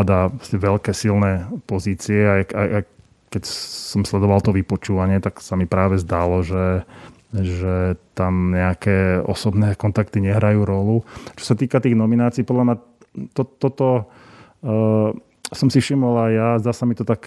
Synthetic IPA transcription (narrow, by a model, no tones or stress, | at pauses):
ad̪apɾɔscɛʋɛʎkɛːsilnɛːpɔziːt͡siɛajaa | kɛcsɔmslɛd̪ɔʋalt̪ɔʋipɔt͡ʃuːʋaɲɪɛt̪aksamipɾaːʋɛzd̪alɔʒɛ | ʒɛt̪amɲɛakɛːɔ̰sɔbnɛːkɔnt̪akt̪iɲɛɦɾajuːɾɔlut͡ʃɔ̥sat̪iːkat̪iːɣnɔminaːt͡siːpɔd̪lamɲa | t̪ɔt̪ːɔt̪ɔ | sɔmsifʃimɔlajjazd̪aːsamit̪ɔt̪ak